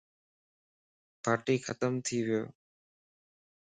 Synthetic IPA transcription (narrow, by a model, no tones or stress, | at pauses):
paːɾʈiːxʰət̪əmt̪ʰiʋɪjo̰ː